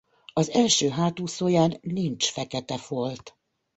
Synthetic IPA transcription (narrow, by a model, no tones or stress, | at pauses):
ɒzɛlʃøːɦaːt̪uːsoːjaːnːint͡ʃfɛkɛt̪ɛfolt̪